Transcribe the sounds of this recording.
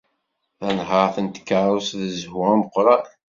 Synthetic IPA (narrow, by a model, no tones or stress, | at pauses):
θænɦəɾθənt̪ə̥kːaɾˤusðəzhʊməqːɾɑ